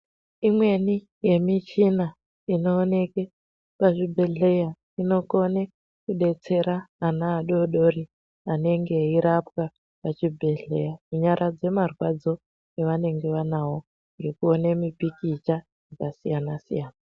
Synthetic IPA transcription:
imwe̞ni | je̞mit͡ʃina | ino̞ːne̞ke | paʐibʱe̞ɮe̞ja | ino̞ko̞ne | kuɗe̞t͡se̞ɾaːnaːɗo̞ɗo̞ri | ane̞ŋɡe̞iɾapwa | pat͡ʃibʱe̞ɮe̞jamuɲaɾad͡ze̞marwad͡zo̞ | eʋane̞ŋɡe̞ʋanawo̞ | ŋɡekuone̞mipikit͡ʃa | jakasijanasḭjaːna

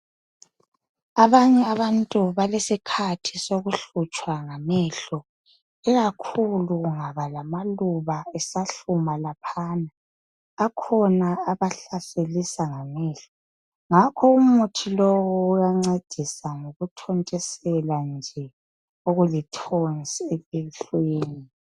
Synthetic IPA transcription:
aβaɲɛaβantʼuβalesikʰatʰi̥soɣuɬut͡ʃʼwaŋamɛɬɔ | ɛɣakʰuluɣuŋaβalamaluβaɛsaɬumalapʰaːnaː | kʰɔnaːβaɬaselisaŋamɛːɬɔ̥ | ŋakʰɔumutʰilowɔːjaŋ͡ǀed̥ʱisaŋoɣutʰɔntʼɛsɛland͡ʒʱɛ | oɣulitʰonsepiɬweːni

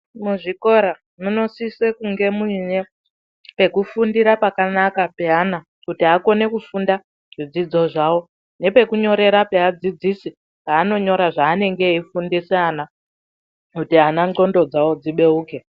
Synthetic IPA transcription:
muʐiko̞ɾa | muno̞siswekuŋɡe̞muiɲe | pe̞kufundiɾapakanakape̞ana | kutiako̞ne̞kufunda | ʐ̥id͡zid͡zo̞ʐawo̞ | ne̞pe̞kuɲo̞ɾe̞ɾapead͡zid͡zisi | paːno̞ɲo̞ɾaʐaːne̞ŋɡe̞ifundiseana | kutianao̞ndo̞d͡zawod͡ziɓe̞uːke

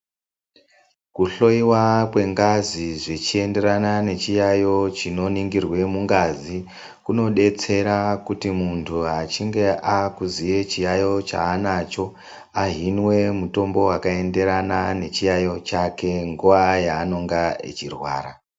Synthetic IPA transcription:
kuɬo̞iwakwe̞ŋɡaziʐe̞t͡ʃie̞nde̞ranane̞t͡ʃijajo̞t͡ʃino̞niŋɡirwe̞muŋɡazi | kuno̞ɗe̞t͡se̞ɾakutimuntʰuɦat͡ʃiŋɡe̞ʔakuzije̞t͡ʃijajo̞t͡ʃa̰ːnat͡ʃo̞ | aɦinwe̞muto̞mbo̞wakae̞nde̞ɾanane̞t͡ʃijajo̞t͡ʃake̞ŋɡuʋajaːno̞ŋɡaḛt͡ʃirwa̰ːɾa

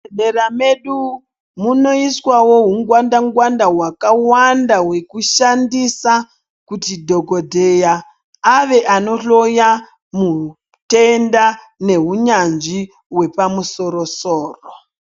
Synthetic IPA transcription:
eɗerame̞ɗu | muno̞iswawo̞ɦuŋɡwandaŋɡwandaɦwakawandawe̞kuʃandisa | kutidʱo̞ɡodʱe̞jaː | ʋe̞ʔano̞ɬo̞ja | mu | te̞nda | ne̞ɦuɲand͡ʒi | we̞pamuso̞ɾo̞soːro

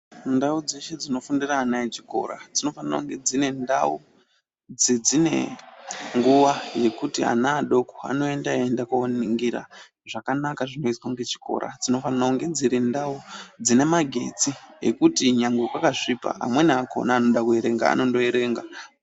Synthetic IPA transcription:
ndaud͡ze̞ʃe̞d͡zino̞fundiraːnait͡ʃi̥ko̞̰ɾa̰d͡zino̞fanara̰uŋɡe̞d͡zine̞nda̰u | d͡zid͡zine̞̰ | ŋɡuʋaje̞kutia̰naːɗo̞koa̰no̞e̞ndaendakaoniŋɡiɾa̰ | ʐakanakaʐino̞iskwaŋɡe̞t͡ʃi̥ko̞̰ɾa̰d͡zino̞fanarauŋɡe̞d͡ziɾindaud͡zine̞maɡʱe̞̰t͡siḛkutiɲaŋɡekwakaʂipa̰ɦa̰mwe̞niako̞̰naːno̞ɗakue̞ɾe̞ŋɡa̰a̰no̞ndo̞eɾe̞ːŋɡa

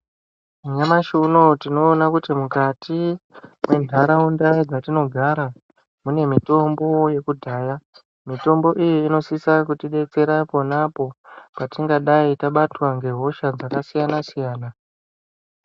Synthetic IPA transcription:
uɲamaʃunotino̞ːnakutimukatimwe̞ndʱaɾaundaid͡zatino̞ɡʱaɾa | mune̞mito̞mbo̞je̞kudʱaːja | mito̞mbo̞ʔijiːno̞sisakutiɗe̞t͡se̞ɾapo̞napo̞patiŋɡaɗaitaɓatwaŋɡe̞ɦo̞ʃad͡zakasijanasijaːna

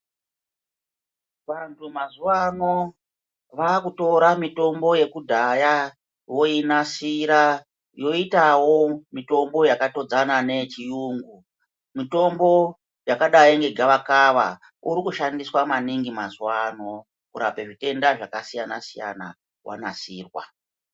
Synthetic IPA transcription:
ʋantʰumazuwano̞ | ʋakuto̞ɾamito̞mbo̞je̞kudʱaja | jo̞inasiɾa | jo̞itawo̞mito̞mbo̞jakato̞d͡zanane̞t͡ʃijuːŋɡu | mito̞mbo̞ | jakaɗajiŋɡe̞ɡʱaʋakaʋa̰ | uɾikuʃandiswamaniŋɡimazuwano̞ | kuɾape̞ʐite̞ndaʐakasijana̰sija̰na̰ | wʔa̰na̰siːrwa̰

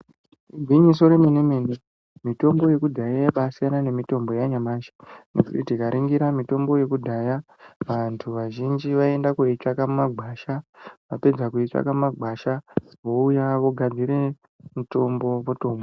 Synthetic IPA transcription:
uɡʱwiɲis̬o̞ɾe̞minimeni | mito̞mbo̞je̞kudʱajaɓasijanane̞mito̞mbo̞jaɲamaʃe̥nḛkutitikaɾiŋɡiɾamito̞mbo̞je̞kudʱaja | ʋantʰuʋaʒind͡ʒiʋae̞ndakoit͡ʂakamumaɡʱaːʃaʋape̞d͡zakuit͡ʂa̰kamumaɡʱaʃa | ʋo̞ujaʋo̞ɡʱad͡ziɾe̞ | muto̞mbo̞poto̞ːmbo

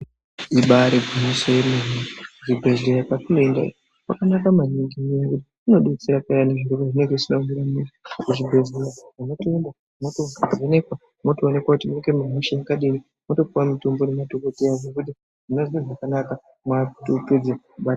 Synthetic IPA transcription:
iɓaɾeɡunosojemiriʐibʱe̞zeɾapatunoendaḭ | kwa̰kanakamaniŋɡiijakuti | ino̞ɗuit͡seɾapajaneʐiɾukaʐine̞ŋɡeʐisinaŋiɾamisikuʐibʱe̞ɮeɾaʐanotoenda | motoaone̞kwa | motoːne̞kwakutimueɡemaɦoʃajakaɗiɾi | moto̞p͡fuwamitombonematokotejaʐokudi | ʐinozieʐakanaka | mwajaku̥toped͡zakuɓat

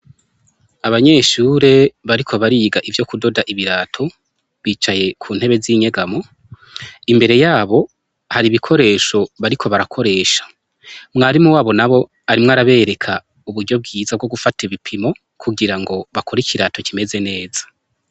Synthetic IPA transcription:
aβaɲe̞ːʃuːɾe̞βaɾikʰo̞βaɾiːɡaʔivjo̞kudo̞daʔiβiɾaːtʰo̞ | βiːt͡ʃaje̞kʰuːn̥he̞βe̞ziɲe̞ɡamo̞ | imbe̞ɾe̞jaːβo̞ | haɾiβikʰo̞ɾe̞ːʃo̞βaɾikʰo̞βaɾakʰo̞ɾe̞ːʃḁ | mŋaːɾimuwaːβo̞naβo̞ | aɾimŋaɾaβe̞ːɾe̞kʰa | uβuɾɟo̞b̚ɡiːzab̚ɡo̞ɡufatiβipʰimo̞ | kʰuɡiɾaŋɡo̞βakʰoɾiciɾaːto̞cime̞ze̞ne̞ːz̥ḁ

